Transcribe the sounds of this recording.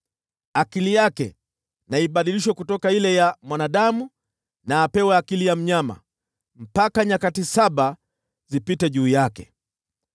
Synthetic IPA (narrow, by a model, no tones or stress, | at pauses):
akilijakɛ | naiɓaɗiliʃwakutɔkailɛjamwanaɗamu | naːpɛwɛakilijam̩ɲama̰ | m̩pakaɲakatisaɓa | zipitɛʄuːjakɛ